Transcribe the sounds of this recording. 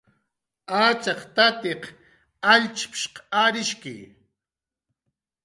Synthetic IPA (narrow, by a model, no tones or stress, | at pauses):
aːt͡ʃɑqt̪at̪eq | aʎt͡ʃpʃqaːɾɪʃkɪ̰j